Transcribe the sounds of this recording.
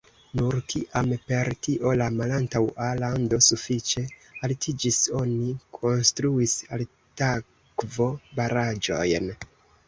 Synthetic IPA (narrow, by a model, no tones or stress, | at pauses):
nuɾkʰiʔampe̞ɾtiʔo̞lamalantawalando̞sufit͡ʃe̞altʰid͡ʒiso̞nikʰo̞nstɾuisal | ta | kvo̞baɾad͡ʒo̞̰jn